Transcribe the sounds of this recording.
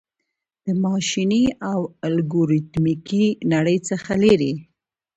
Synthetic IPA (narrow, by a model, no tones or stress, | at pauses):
d̪̥əmɑʃiniawalɡoɾit̪mikinaɽəjt͡səxaleɾi